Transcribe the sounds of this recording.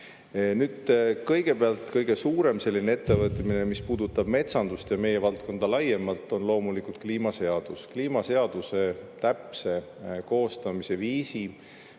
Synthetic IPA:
nyːd̪̥kɤjɡ̥e̞peɑlt̪ˑkɤjɡ̥e̞suːɾe̞mse̞lʲːinee̞t̪ːe̞vɤt̪ˑmine̞mispuːd̪ut̪ːˑɑb̥me̞t̪sɑnd̪ust̪jɑme̞je̞vɑlt̪̚ko̞nd̪̥ɑlɑjemɑlt̪ːˑo̞nlo̞ːmulikult̪̚kliːmɑse̞ɑd̪̥uskliːmɑse̞ɑd̪̥use̞t̪æpse̞ | ko̞ːst̪ɑmise̞viːsi

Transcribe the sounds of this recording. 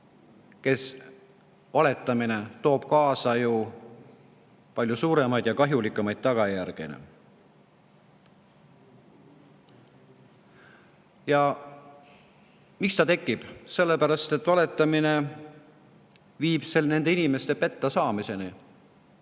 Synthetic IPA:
ke̞s | vɑle̞t̪ːˑɑmine̞t̪o̞ːb̥kɑːsɑju | pɑlʲjusuːɾe̞mɑjd̪jɑkɑɦjulikːˑumɑjd̪̥̚t̪ɑɡ̥ɑjærɡ̥ḛnḭ | jɑ | mikst̪ɑt̪e̞kːˑib̥se̞lːepæɾɑst̪e̞t̪ːˑvɑle̞t̪ːˑɑmine̞ | viːb̥selne̞nd̪̥einime̞st̪epe̞t̪ːɑsɑːmise̞ni

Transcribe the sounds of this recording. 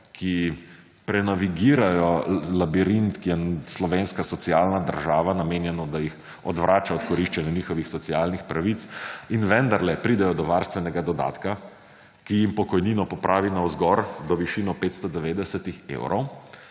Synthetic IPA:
kʰi | pɾɛnaʋiɡiːɾajɔlabiɾint̪kijɛslɔʋenskasɔt̪siaːlnad̪ə̰ɾʒaːʋanameːnjɛnɔd̪ajix | ɔ̰d̪ʋɾʔaːt͡ʃaɔt̪kɔɾiʃt͡ʃanjɛniːxɔʋixsɔt̪sialnixpɾaʋit̪sinʋɛnd̪aɾlɛpɾiːd̪ɛjɔd̪ɔʋaɾst̪ʋɛnɛɡad̪ɔd̪a̰ːt̪ka | kijimpɔkɔjniːnɔpɔpɾʔaːʋinawzɡɔɾd̪ɔʋiʃiːnɔpeːt̪st̪ɔd̪ɛʋeːd̪ɛsɛt̪ixḛwɾʔɔ̰w

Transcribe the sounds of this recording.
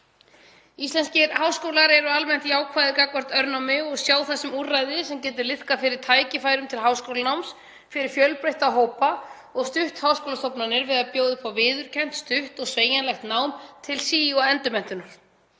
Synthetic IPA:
ist̪lɛnscɪɾhawskoːwlaɾɛɾʏalmɛn̥t̪jaːwkʰvajðɪkakvɔr̥t̪œɾnawmɪɔɣsjaːwθɛsːɪmurajðɪsɛmcɛːt̪̬ɪɾlɪθkafɪɾɪɾ̥t̪ʰaːjcɪfaːjɾʏmt̪ʰɪlɦawskowlanawms | fɪɾɪɾ̥fjœlpɾejht̪aɦoːwpa | ɔɣst̪ʏht̪hawskowlast̪ɔpnanɪɾvɪðapjoːwðɪpʰawvɪːðʏɾ̥cʰɛn̥t̪st̪ʏht̪ɔɣsveːjanlɛxt̪naːwmt̪ʰɪlsiːaɛnt̪ʏmɛn̥t̪ʏnʏm

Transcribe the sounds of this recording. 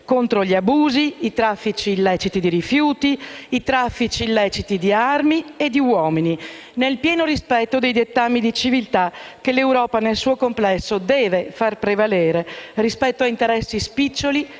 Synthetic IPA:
kont̪ɾoʎiabuːziit̪ɾafːit͡ʃiːlːɛːt͡ʃit̪id̪iɾifjuːt̪iːt̪ɾafːit͡ʃiːlːɛːt͡ʃit̪id̪iarmied̪ːiwɔːmini | nelpjɛːnoɾispɛt̪ːod̪ejd̪et̪ːamːid̪it͡ʃivilt̪akelewɾɔːpanelsuːokomplɛsːod̪ɛːvefarpɾevaleːɾerispɛt̪ːoaint̪eɾɛsːispit͡ʃːoli

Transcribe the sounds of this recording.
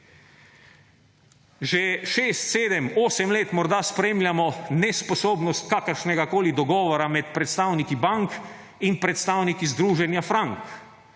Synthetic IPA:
ʒɛʃeːst̪seːd̪ɛmoːsɛmleːt̪mɔɾd̪aspɾemlʲjamɔnɛspɔsoːbnɔst̪kaːkəɾʃnɛɡakoːlid̪ɔɡɔːʋɔɾamɛt̪pɾɛt̪st̪aːwnikibaŋk | inpɾɛt̪st̪aːwnikizd̪ɾuːʒɛnjafɾaŋk

